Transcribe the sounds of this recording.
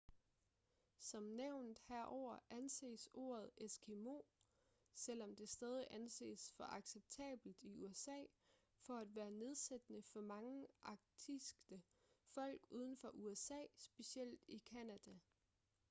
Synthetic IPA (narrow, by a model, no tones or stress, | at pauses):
sɒ̽mneʊ̰nd̥hæɐ̰ʔɒʊ̰ɐʔænse̝̰ːso̝̰ːɐð̞ˠesɡ̥ʰe̝mo̝̰ː | sel̰ɒ̽md̥e̝sd̥ɛːð̞ˠiʔænse̝̰ːsfɒ̽ʔɑ̈ɡ̥seb̥̚t͡sʰɛ̰ːb̥l̩d̥iuesɛ̰ː | fɒ̽æd̥ʋæːɐne̝ð̞ˠsed̥ənəfɒmɑ̈ŋəʔɑ̈ɡ̥̚d̥ʰisɡ̥ə | fɒ̽l̰ɡ̥uːð̞ˠn̩fɒ̽ʔuesɛ̰ːsb̥e̝siel̰d̥ikʰænæd̥æ